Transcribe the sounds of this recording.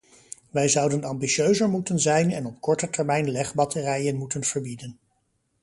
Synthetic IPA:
ʋɛjzʌwdənɑmbiʃøɥzəɹmutənzɛjnɛnɔp̚kɔɹtətɛɹmɛjnlɛχbɑtərɛjənmutənv̥əɹbidən

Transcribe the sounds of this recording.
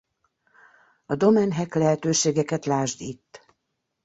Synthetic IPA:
ɒd̪o̞mɛnɦɛklɛɦɛt̪øːʃeːɡɛkɛt̪laːʒd̪it̪ː

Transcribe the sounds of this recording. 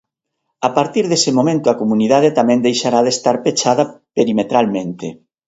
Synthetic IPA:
apaɾt̪iɾðesemomẽnt̪ʊakomuniðaðet̪amɛ̃nd̪ejʃaɾaðest̪aɾpet͡ʃaðɐpeɾimet̪ɾalmẽnt̪e

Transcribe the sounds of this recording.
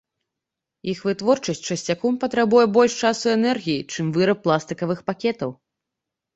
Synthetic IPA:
ixvɨt̪vɔrt͡ʂɐsʲtʲt͡ʂɐsʲt͡sʲakɔmpɐt̪ɾabujɛbɔlʲʂt͡ʂasuɛnɛrɣʲijit͡ʂɨmvɨɾɐp̚ːlˠast̪ɨkɐvɨxpakʲɛt̪ɐw

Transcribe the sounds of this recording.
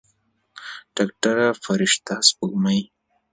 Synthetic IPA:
ɖ̥akʈaɾafaɾɪʂt̪aspuɡmaj

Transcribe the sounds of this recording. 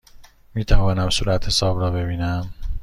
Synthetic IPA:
miːt̪ʰævɒːnæmsuːɾæt̪he̞sɒːbrɒːbe̞biːnæm

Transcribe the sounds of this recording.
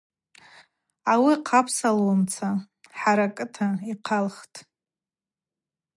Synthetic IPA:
awiqʰapʰsalwamt͡sʰa | ħaɾakʼɨtʰaiqʰalχtʼ

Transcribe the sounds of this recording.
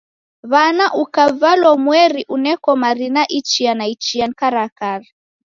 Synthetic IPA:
βanaʔukavalɔmwɛɾiʔunɛkɔmaɾinaʔit͡ʃianait͡ʃiankaɾakaɾi

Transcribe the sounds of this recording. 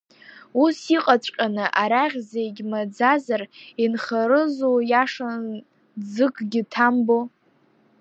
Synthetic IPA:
usiqʼat͡ɕʷʼkʲʼanɨʔaɾaʁʲzeɡʲmad͡zazarinχaɾɨzojaʂan | d͡zɨkʼɡʲɪtʰambo

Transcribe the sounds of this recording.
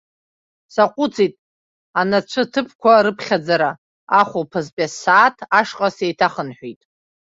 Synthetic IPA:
saqʷʼut͡sʰʼitʼ | anat͡ɕʷʰɨtʰɨpʰkʷʰaɾɨpʰχʲad͡zaɾa | aχʷopʰazpʲʼasaːtʰaʂqʼasejtʰaχənħʷᶣijtʼ

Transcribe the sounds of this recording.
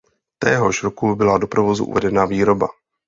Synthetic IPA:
t̪ɛːɦo̞ʃɾokubɪlado̞pɾovo̞zṵʔṵvɛdɛnaːviːɾo̞ba

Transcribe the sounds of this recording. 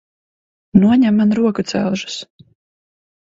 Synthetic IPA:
nuɔɲæmːanɾuɔkut̪sæ̰wʒu̥s

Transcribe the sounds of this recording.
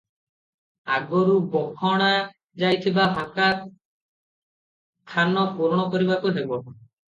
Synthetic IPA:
aɡɔɾubɔkʰɔɽ̃a | d͡ʒajt̪ʰibaɦaka | t̪ʰanɔpuɾɽ̃ɔkɔɾibakud̪ebɔ

